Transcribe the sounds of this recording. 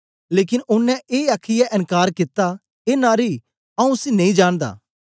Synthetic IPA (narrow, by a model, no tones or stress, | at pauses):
leːkɪnʔʊnːɛ̃ʔeːaːkʰɪjaʔɪ̃nkaːɾkɪt̪ːa | eːnaːɾi | ɐũsinɐ̃ĩd͡ʒaːɽ̃d̪a̰ː